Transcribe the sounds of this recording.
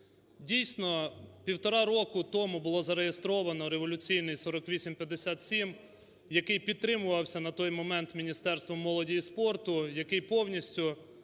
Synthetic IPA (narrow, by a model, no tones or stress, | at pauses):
dʲijsʲnɔpʲiwt̪ɔɾɑɾɔkʊt̪ɔmʊbʊlˠɔzɐɾejest̪ɾɔʋɐnɔɾeʋɔlʲʊt͡sʲijnɪjsɔɾɔkʋʲisʲimpʲjɐd̪ːesʲat̪sʲim | jɐkɪjpʲid̪t̪ːɾɪmʊʋɐwsʲɐnɐt̪ɔjmɔmɛnt̪mʲinʲist̪ɛrst̪ʋɔmːɔlˠɔdʲijispɔrt̪ʊjɐkɪjpɔwnʲisʲtʲʊ